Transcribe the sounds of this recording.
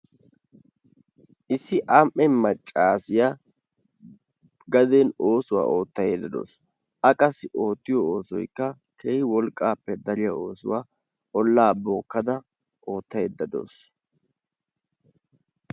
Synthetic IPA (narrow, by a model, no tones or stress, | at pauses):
ʔɪsːɪʔamʔːɛmːɐt͡ʃʼːaːsɪja | ɡɐd̪eno̞ːsʊwa̰ːʔo̞ːt̪ːɐjeːd̪ːɐd̪o̰ːs | ʔɐkʼɐsɪʔo̞ːt̪ːɪjɔoːsɔ̰jkːɐ | kʰeːhɪwɔlkʼːaːpːɛd̪ɐɾɪjao̞ːsʊ̰waː | ʔɔlːaːboːkːɐd̪ɐ | ʔo̞ːt̪ːɐjeːd̪ːɐd̪o̰ːs